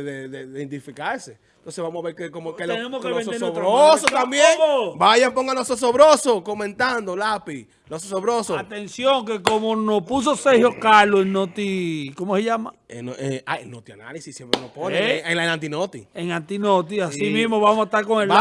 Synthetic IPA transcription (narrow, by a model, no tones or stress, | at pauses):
ðeðeðeend̪ifikaɾse | nt̪onseβamohaβeɾkekomokeenemokeloβesesoβɾossot̪ambjeŋobaʝampoŋɡalosos̬oβɾosokomẽnt̪and̪olapi | lososoβɾosoat̪ensjoŋke̞komonospus̬osehjokaloeŋnot̪ikomoseʝamaḛnoea̰nːot̪ia̰na̰lisisːjempɾenoponeeŋlaenãnt̪inot̪ḭeŋant̪inot̪iasimĩsmoβamosat̪aɾkoŋel